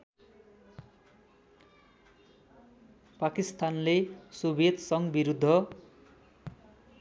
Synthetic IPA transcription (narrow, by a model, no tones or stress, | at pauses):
pakist̪anlesubʱed̪sʌŋɡbiɾud̪ʱːʌ